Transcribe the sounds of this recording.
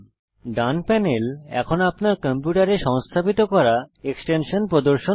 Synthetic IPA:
ɖanpɛnelɛ̰kʰonapnaɾkɔmpjuʈaɾeʃɔŋst̪ʰabit̪okɔɾaeksʈenʃonpɾod̪oɾʃo

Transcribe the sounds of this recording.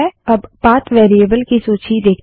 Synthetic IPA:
ɛɐbbaːt̪ʰʋeːɾiəbəlkisoːt͡ʃid̪eːkʰ

